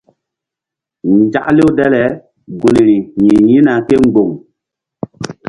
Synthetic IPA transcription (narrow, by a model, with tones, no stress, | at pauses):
n˨d͡ʒa̰˦ʔle˦wdɛ˦lɛ˨˦ | ɡu˨ni˨ɾi˨ɲi˨ɲi˦na˨ke˦ŋ˦ɡ͡bo˨ŋ